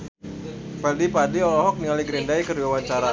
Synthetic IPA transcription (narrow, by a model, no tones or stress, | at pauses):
pɛldipadiɔlɔɦɔk̚niŋaliɡɾindaikərduwawaɲt͡ʃaɾa